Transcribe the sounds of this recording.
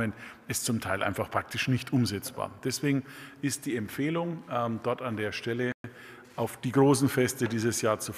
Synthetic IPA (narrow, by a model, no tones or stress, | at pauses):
ənɪstt͡sʊmtʰaɪlʔa̰ɪnfaχpʁ̥ak̚tɪʃnɪçtʔʊmzɛt͡sb̥a̰ːɐd̥ɛsv̥eːɡŋ̩ʔɪst̚d̥iːɛmpfeːlʊŋɛdɔɐtandeːɐʃtɛlə | ʔaʊfd̥iːɡʁoːsn̩fɛstədiːzəsjaːɐt͡su